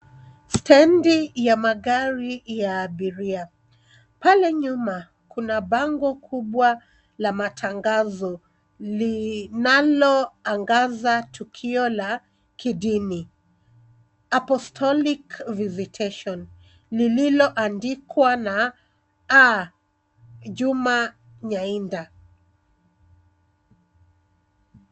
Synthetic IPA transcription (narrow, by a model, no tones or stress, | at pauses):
stɛndijamaɠaɾijaːɓiɾia | palɛɲuma | kunaɓaŋɡɔkʰuɓwa | lamatʰaŋɡazɔ | linalɔaŋɡazatukʰiɔla | kiɗini | apɔstʰɔlikvizitʰɛʃɔn | lililɔʔandikwana | a | ʄuma | ɲainda